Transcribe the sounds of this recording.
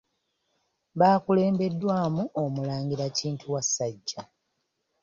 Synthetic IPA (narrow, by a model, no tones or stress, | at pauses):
βaːkule̞ːmbe̞dːwaːmuʔomulaːɲɡiɾaciːntʰuwasːaɟːa